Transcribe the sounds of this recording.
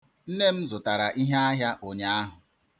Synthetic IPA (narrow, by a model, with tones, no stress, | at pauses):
n̩˦ne˦m̩˦zʊ˨ta˨ɾa˨ʔi˦ɦa˦a˦ɦja˦ʔo˨ɲa˦a˦ɦʊ˨